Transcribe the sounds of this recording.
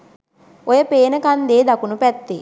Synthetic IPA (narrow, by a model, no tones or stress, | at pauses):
ojəpeːnəkand̪eːd̪akunupɛt̪ːe